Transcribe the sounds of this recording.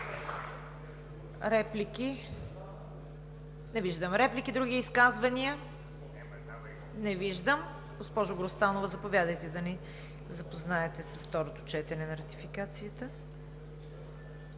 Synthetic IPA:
ɾɛpliki | nɛviʒd̪əmɾɛplikid̪ɾuɡiiskazvɐniə | nɛviʒd̪əm | ɡospɔʒʊɡɾost̪anovəzɐpovjad̪əjt̪ɛd̪ɐni | zɐpoznaɛt̪ɛsə̥sft̪ɔɾot̪ot͡ʃɛt̪ɛnɛnɐɾɐt̪ifikat̪sijət̪ə

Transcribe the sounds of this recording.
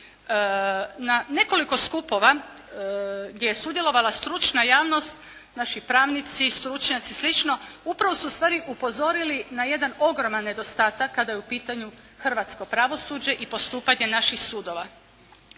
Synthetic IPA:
nane̞ko̞liko̞skupo̞ʋa | ɡdje̞jesud̪jelˠo̞ʋalast̪ɾut͡ʃnajaːʋno̞st̪ | naʃipɾaːʋnit̪sist̪ɾut͡ʃɲat̪sislit͡ʃno̞upɾaʋosuːst̪ʋaːɾiʔupo̞zo̞ɾilinaje̞d̪ano̞ɡɾo̞manːe̞d̪o̞st̪aːt̪akːad̪ajeupiːt̪aɲu | xrʋat̪sko̞pɾaʋo̞suːd͡ʑe̞ʔipo̞st̪uːpaɲe̞naʃixsuːd̪o̞ʋa

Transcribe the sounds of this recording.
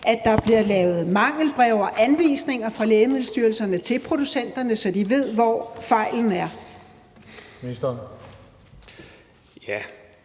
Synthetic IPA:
ʔæd̥ɑ̈b̥liɐ̰lɛːʊð̞̩ˠmɑ̈ŋ̰l̩b̥ʁɛʊ̰ɐʔænʋḭːsne̝ŋɐfʁɑ̈leːɪmeð̩̰ˠsd̥yːɐlsɐnət͡sʰe̝lpʰʁo̝d̥usen̰d̥ɐnəsɒ̽d̥iʋe̝ð̰ˠʋɒfɑ̈ɪ̰ln̩æɐ | misd̥ɐn | jæ

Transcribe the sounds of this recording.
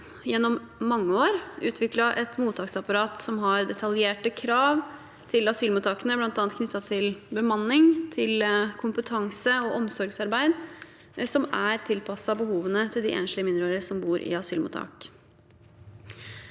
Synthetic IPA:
jɛnːɔmːɑŋːəoːɾʉ̰ːt̪ʰʋɪklɑʔɛt̪muːt̪ʰɑːksɑpɑɾɑːt̪sɔmɦɑɾd̪ɛt̪ʰɑljeːʈəkʰɾɑːʋ | t̪ʰɪlɑsyːlmuːt̪ʰɑkənəblɑnt̪ɑːnt̪knʏt̪ːɑt̪ʰɪlbəmɑnːɪŋt̪ʰɪlkʰʊmpət̪ʰɑŋsəɔʔɔmsɔɾɡsɑɾbæɪd̪ | sɔmæɾt̪ʰɪlpʰɑsɑbəhuːʋənət̪ʰɪld̪ɪʔḛːnʃlɪəmɪnd̪ɾøːɾəsɔmbuːɾʔɪ̰ɑsyːlmṵːt̪ʰɑ̰ːk

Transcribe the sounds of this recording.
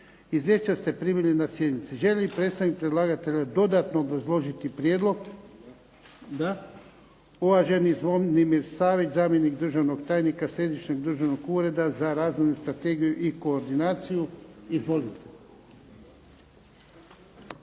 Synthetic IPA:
izʋje̞ʃt͡ɕast̪e̞pɾimilinasje̞d̪nit̪siʒe̞ʎipɾet̪st̪anik̚pɾed̪lˠaːɡat̪e̞ʎad̪o̞d̪at̪noːbɾazlˠo̞ʒit̪ipɾjed̪lˠo̞ɡ | d̪a | uʋaʒenizʋo̞mnimiɾsaːʋit͡ʃzaːmje̞niɡd̪ɾr̩ʒaʋno̞ɡt̪aːjnikasɾe̞d̪it͡ʃɲeɡd̪ɾr̩ʒaʋno̞ɡuːɾe̞d̪azaɾaːzʋojnust̪ɾat̪e̞ːɡijuʔiko̞ːɾd̪inaːt̪sijuizʋo̞lit̪e̥

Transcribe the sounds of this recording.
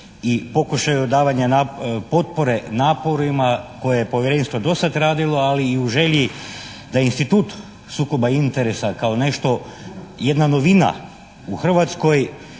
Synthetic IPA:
ipo̞kuʃajuod̪aːʋaɲanapo̞t̪̚po̞ɾe̞naːpo̞ɾimakojejepo̞ʋjeɾe̞nʲst̪ʋod̪o̞sat̪ɾaːd̪ilo̞aliːuʒe̞ʎi | d̪ajeinst̪it̪uːt̪ | suːko̞baint̪e̞ɾesakaone̞ʃt̪o̞je̞d̪nano̞ʋina̰ | uxr̩ʋat̪sko̞j

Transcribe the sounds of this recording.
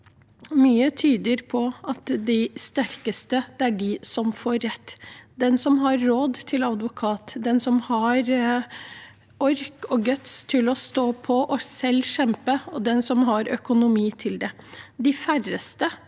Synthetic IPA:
myːət̪ʰyːd̪əɾpʰɔɑt̪d̪ɪst̪æɾkəst̪əd̪æɖɪsɔmfoːɾːɛt̪ːd̪ɛnsɔmɦɑɾːoːd̪t̪ʰɪlɑd̪ʋʊkʰɑːt̪d̪ɛnsɔmhɑɾ | ɔɾkɔɡœt̪st̪ʰɪlɔst̪oːpʰɔʔɔsɛlːʃɛmpəɔd̪ɛnsɔmɦɑɾœkʊnʊmiːt̪ʰɪld̪ɛd̪ɪfærəst̪ə

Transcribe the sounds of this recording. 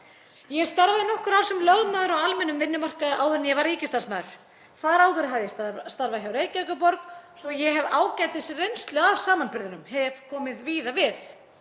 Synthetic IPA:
jɛɣst̪aɾvaðɪnɔhkʏɾawsɛmlœɣmaːðʏɾɔwalmɛnːʏmvɪnːʏmar̥kaðʔawʏɾnjɛvaɾiːcɪst̪ansmaːðʏɾ̥ | θaɾaːwðʏɾɪɦaðjɛst̪aɾvaðçawɾejcœkap̬ɔɾksɔjɛɦɛvaːwcaːjt̪ɪsɪrejnst̪lʏɣavsaːmanpɪɾðʏnʏmhɛvkʰɔːmɪðviːðavɪθ

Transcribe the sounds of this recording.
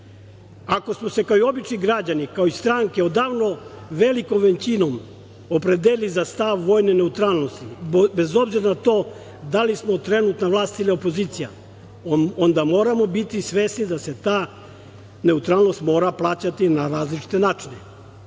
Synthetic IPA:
ako̞smose̞kaoio̞bit͡ʃniɡɾad͡ʑanikaoist̪ɾaŋkeod̪aːʋno̞ʋe̞liko̞mʋent͡ɕino̞m | opɾed̪elilizast̪aʋːo̞jnene̞ut̪ɾaːlˠno̞st̪ibezo̞bziɾanat̪o̞ː | d̪alismo̞t̪ɾe̞nut̪naʋlˠaːst̪ilio̞po̞ziːt̪sija̰ | ond̪amo̞ːɾamo̞bit̪isʋe̞ːsnid̪ase̞t̪aː | ne̞ut̪ɾaːlno̞st̪mo̞ːɾaplˠaːt͡ɕat̪inaɾaːzlit͡ʃi̥t̪e̞naːt͡ʃine

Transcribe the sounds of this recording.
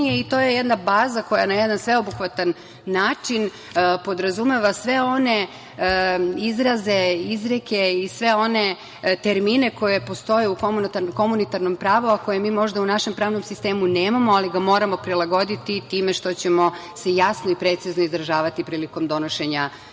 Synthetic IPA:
eit̪o̞ːje̞jed̪nabaːzako̞janajed̪ansʋe̞obuxʋat̪anː | aːt͡ʃin | po̞d̪ɾazume̞ʋasʋe̞o̞ne̞ | izɾaze̞izɾeke̞isʋe̞o̞ne̞ | t̪eɾmine̞ko̞je̞po̞st̪o̞jeukomunt̪ako̞munit̪aɾno̞mpɾaːʋoako̞jemiːmo̞ʒd̪aunaʃe̞mpɾaːʋno̞msist̪eːmuneːmamo̞aliɡamo̞ːɾamo̞pɾilˠaɡo̞d̪it̪it̪iːme̞ʃt̪o̞t͡ɕe̞mo̞se̞jasnoipɾet̪siznoizɾaʒaːʋat̪ipɾiːliko̞md̪o̞noʃe̞ɲa

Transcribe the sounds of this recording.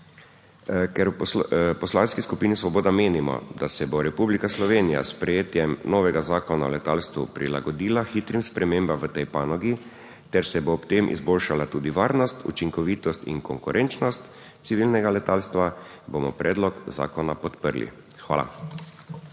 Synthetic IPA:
kɛɾwpɔslanskiskupiːnisʋɔbɔːd̪ameːnimɔ̰d̪asɛboɾɛpublikaslɔʋeːnija̰spɾɛjeːt̪jɛmnɔːʋɛɡazaːkɔnaɔlɛt̪aːlst̪ʋṵpɾila̰ɡɔd̪iːlaxiːt̪ɾimspɾɛmeːmbamʋət̪ɛjpaːnɔɡi | t̪ɛɾsɛbopt̪emʔḭzboːlʃalat̪uːd̪iʋaːɾnɔst̪ṵt͡ʃiŋkɔʋiːt̪ɔst̪ḭŋkɔŋkuɾʔɛnt͡ʃnɔst̪ | t̪siʋilnɛɡalɛt̪aːlst̪ʋa | bomɔpɾɛːd̪lɔkza̰ːkɔnapɔt̪pəɾlḭ | xʋa̰ːla̰

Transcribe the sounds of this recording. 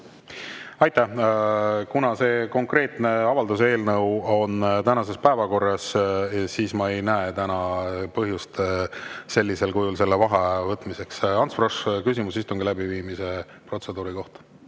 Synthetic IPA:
ɑjt̪ːˑæ | kunɑse̞ːko̞ŋkre̞ːt̪ne̞ɑvɑld̪use̞ːlnɤwo̞nt̪ænɑse̞spæevɑko̞rːɑssiːsmɑe̞jnæet̪ænɑpɤɦjust̪ | se̞lʲːise̞lkujulse̞lːevɑɦevɤt̪ːˑmise̞ksɑnsproʂkysimusist̪uŋɡilæbiviːmise̞ | pro̞t̪se̞d̪̥uːɾiko̞ht̪ɑ̥

